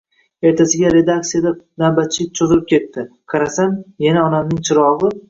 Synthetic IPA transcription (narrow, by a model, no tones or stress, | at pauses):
e̞ɾt̪ʰasɪɡʲaɾe̞d̪ak̚t̪sijad̪anabat̪̚t͡ʃʰːɪt͡ʃʰozɪlɪp̚kʲʰe̞t̪ːɪqʰɑɾasamjanaɒnamnɪŋt͡ʃʰɪɾɒʁɨ